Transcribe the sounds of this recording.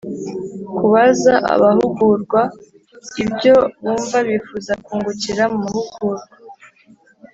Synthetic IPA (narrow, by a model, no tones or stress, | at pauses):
kuβazaʔa̰βaɦuɡuɾɡwa | ibjo̞βuːɱvaβifuzakuːŋɡuciɾamumuhuɡ̥uɾɡa